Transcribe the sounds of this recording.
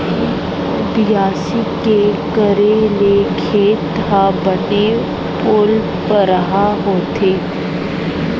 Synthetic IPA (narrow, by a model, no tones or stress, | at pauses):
bjaːsikekəɾeleːkʰeːt̪abəne | pʊl | pəɾəɦaɦoːt̪eː